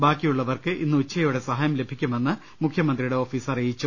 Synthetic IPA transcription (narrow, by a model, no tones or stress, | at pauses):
baːkːijuɭːɐʋɐrkɨʔinːɨut͡ɕːɐjouɽe̞sɐɦaːjɐmle̞bʱikʲːume̞nːɨ | mukʰjɐmɐnd̪rijuɽe̞o̞ːfiːsɐrijit͡ɕːu